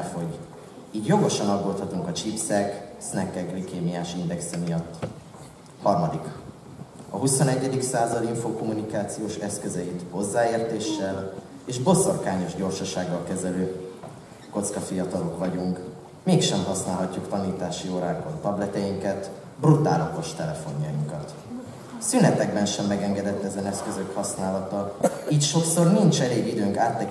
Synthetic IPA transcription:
fo̞ɟ | iːɟjo̞ɡo̞ʃɒnɒɡːoːt̪hɒt̪uŋkɒt͡ʃipsɛksnɛkːɛɡrikeːmijaːʃind̪ɛksɛmijɒt̪ː | hɒrmɒd̪ik | ɒ̰ɦuso̞nɛɟːɛd̪iksaːzɒd̪iɱfoːko̞munikaːt̪sijoːʃɛskøzɛjit̪ho̞zːaːeːrt̪eːʃːɛl | eːʒbo̞so̞rkaːɲo̞ʒɟo̞rʃɒʃaːɡːɒlkɛzɛløː | ko̞t̪skɒfijɒt̪ɒlo̞kʋɒɟuŋk | meːkʃɛmɦɒsnaːlɦɒcːukt̪ɒniːt̪aːʃioːɾaːɡbont̪ɒblɛt̪ɛjiŋkɛt̪ | brut̪a̰ːlɒt̪o̞ʃt̪ɛlɛfo̞ɲjɒ̰jiŋkɒt̪ | synɛt̪ɛɡbɛnʃɛmːɛɡɛŋɡɛd̪ɛt̪ːɛzɛnɛskø̞zø̞khɒsnaːlɒt̪ɒiːcʃo̞kso̞rnint͡ʃɛleːɡid̪øːŋkaːt̪lɛ

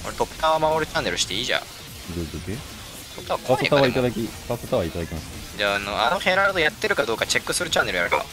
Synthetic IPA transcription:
koɾet̪opːɯ̥t̪aβamamoɾɯ̟t͡ɕanːe̞ɾɯ̟ɕi̥t̪eiːʑã̰ | dod̪ok̪e | t̪opːɯ̥t̪aakoat̪oet̪aβait̪ad̪akʲipat̪ot̪aβait̪ad̪akʲimasɨ | d͡ʑanoa̰nohẽɾaɾat̪ojat̪ːe̞ɾɯ̟kad̪o̞ːkat͡ɕe̞kːɯ̟sɨɾɯ̟t͡ɕãnːe̞ɾɯ̟jaɾɯka̰

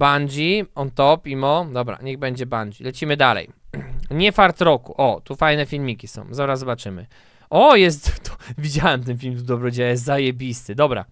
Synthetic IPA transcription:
band͡ʑiɔnt̪ɔpimɔd̪ɔbɾa̰ɲɛɣbɛɲd͡ʑɛband͡ʑḭlɛt͡ɕimɘd̪alɛ̰jɲɛfaɾt̪ɾɔkuʔɔt̪ufajnɛfʲilmʲikʲisɔ̰̃w̃zɔɾazzɔbat͡ʂɘmɘ̰ | ʔɔjɛs̬t̪t̪ɔ̥vʲid͡ʑawɛmt̪̬ɛnfʲilmt̪̬ud̪ɔbɾɔd͡ʑɛwɛjɛs̬t̪zajebʲist̪ɘd̪ɔbɾa̰

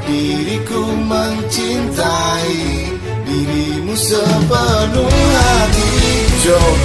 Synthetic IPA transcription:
diɾikuməŋt͡ʃint̪aji | diɾimusəpəluladiɾid͡ʒo

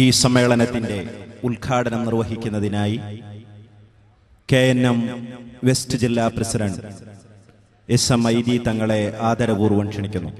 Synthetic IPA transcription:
iːsɐmːe̞ːɭɐnɐt̪ːinde̞ulkʰaːɽɐnɐmnirʋɐɦikʲːunːɐðinaːji | keːnːɐmʋe̞stɨd͡ʑilːaːprɐsidɐɳɖ | esɐmɐjd̪it̪ɐŋːɐɭe̞ʔaːd̪ʱɐɾɐbuːrʋɐɳʂɐɳikʲːunːu

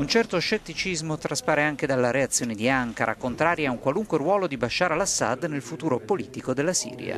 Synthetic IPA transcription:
unt͡ʃɛrt̪oʃet̪ːit͡ʃizmot̪ɾaspaːɾeaŋked̪alːaɾeat̪sːjoːned̪iaŋkaɾʔa̰kont̪ɾaːɾjauŋkwaluŋkwerwɔːlod̪ibaʃːaːɾalasːa̰d̪nelfut̪uːɾopoliːt̪ikod̪elːasḭːɾj̰a̰

